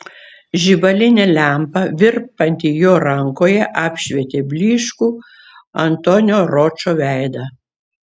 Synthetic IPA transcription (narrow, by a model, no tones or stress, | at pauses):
ʒʲibɐlʲɪnʲɛːlʲæˑmpɐʋʲɪɾpɐnʲt̪ʲijoːɾɐŋkoːjɛʔɑːpʲʃʲʋʲeːt̪ʲeːbʲlʲiːʃkuː | ɐnt̪onʲoːɾot͡ʃoːʋʲæˑɪd̪ɐ